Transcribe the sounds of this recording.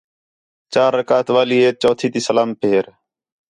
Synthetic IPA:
t͡ʃaːɾːəkaːt̪ʋaːliːeːt͡ʃoːt̪ʰiːt̪iːsəlaːmpʰeːɾ

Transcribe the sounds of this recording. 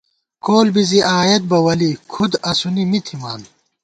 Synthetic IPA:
koːlbiziʔaːjɐt̪̚bɐwɐlikʰud̪ɐsunimit̪ʰimaːn

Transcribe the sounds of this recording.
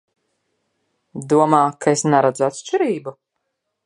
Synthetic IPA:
d̪uɔmaːkaesnaɾad̪zat̪ʃt͡ʃiɾiːbu

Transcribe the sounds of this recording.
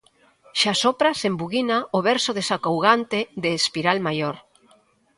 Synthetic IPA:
ʃasɔpɾasembuɣinaoβɛɾsoðesakowɣ̞ant̪ed̪eːspiɾalmajoɾ

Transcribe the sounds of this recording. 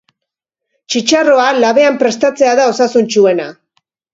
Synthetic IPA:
t͡ʃit͡ʃaro̞alaβe̞ampɾe̞st̪at͡se̞aðao̞sasunt͡ʃue̞na

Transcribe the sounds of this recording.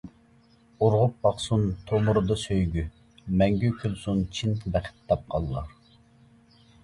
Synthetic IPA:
uɾʁʊp̚bɑqsunt̪ʰomʊɾɨd̪ɑsøjɡʲy | mɛŋɡʲykʲʰylˠsunt͡ʃʰint̪ʰbæqʰɪ̥t̪̚t̪ːɑp̚qʰɑlˠːɑ̰ɾ

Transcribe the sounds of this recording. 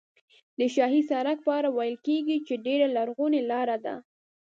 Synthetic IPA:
d̪əʃ̬ɑɦisɑɾak̚pəɑɾawajəlkeɡit͡ʃeɖeɾalaɾɣunelɑɾad̪a̰

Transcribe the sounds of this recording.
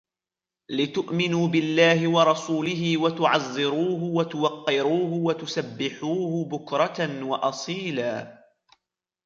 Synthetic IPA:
lɪt̪ʊʔmɪnuːbɪlːaːhɪwɑɾˤɑsuːlɪɦɪwat̪ʊʕɑzˤːɪɾuːɦʊwat̪ʊwɑqːɪɾuːhʊwat̪ʊsabːɪħuːhʊbʊkɾˤɑanwɑʔɑsˤiːlaː

